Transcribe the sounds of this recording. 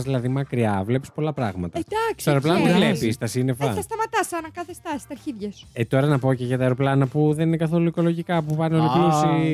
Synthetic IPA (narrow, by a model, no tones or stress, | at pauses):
zðilɐðimɐkɾiɐvle̞pi̥spo̞lɐpɾɐɣmɐt̪ɐetd̪ɐksoeɾo̞plɐnɐt̪evle̞pist̪ɐsine̞fɐθɐst̪ɐmɐt̪ɐsɐnɐkɐθest̪ɐsi̥t̪ɐɾçiðʝɐset̪o̞ɾɐnɐpo̞ceʝɐt̪ɐeɾoplɐnɐpuðe̞ninekɐθo̞luiko̞lo̞ʝikɐpupɐneolopiosi